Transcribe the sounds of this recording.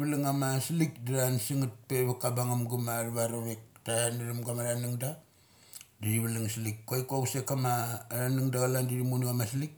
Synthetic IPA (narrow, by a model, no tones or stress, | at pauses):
βliŋamasilikdiɾansiŋat̚peβakabaŋamɡumaɾβaɾoɾek̚taaniɾamɡamaɾanuŋda | diɾiβaliŋsilikːojkasekamaɾanuŋdaɡalandiɾimunɡamaslik̚